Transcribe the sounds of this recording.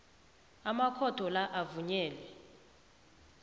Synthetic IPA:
amakʰɔtʰɔlaʔavuɲɛːlɛ

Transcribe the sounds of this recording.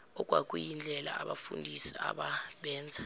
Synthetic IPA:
ɔk̬ʼwak̬ʼujind͡ɮʱɛla̰aɓafundʱisiaɓaɓɛːnd͡zʱa

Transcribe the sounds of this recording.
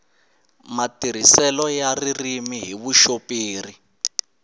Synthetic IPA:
matiɾ̤isɛlɔjaririmiɦiβuʃopiːri

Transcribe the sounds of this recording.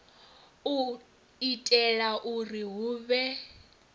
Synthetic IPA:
u | itʼɛlaʔuriɦuːβɛ

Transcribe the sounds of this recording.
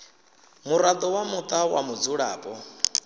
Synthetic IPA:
muɾad̪ɔwamut̪ʼawamud͡zuɺa̰ːpʼɔ

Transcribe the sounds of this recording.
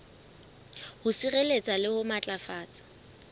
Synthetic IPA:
hʊsirelet͡sʼalɪhʊmat͡ɬʼafaːt͡sʼḁ

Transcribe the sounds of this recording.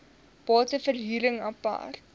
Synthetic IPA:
b̥ɑːtəfərɦiːɾəŋɐpa̰rt̚

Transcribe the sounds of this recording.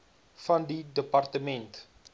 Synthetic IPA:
fɐndidəpɐrtəmɛnt

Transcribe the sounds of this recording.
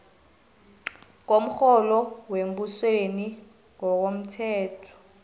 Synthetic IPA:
k̬om̩xɔlɔwembusweni | ŋɔk̬om̩tʰɛːtʰɔ̥

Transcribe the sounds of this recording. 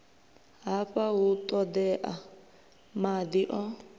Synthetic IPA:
ɦaɸʼaut̪ʼɔd̪ɛʔa | mad̪iʔɔ

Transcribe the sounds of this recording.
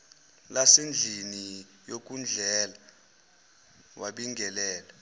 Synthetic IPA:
lasend͡ɮʱini | jok̬ʼund͡ɮʱɛːla | waɓiŋɡʱɛlɛːlɛ

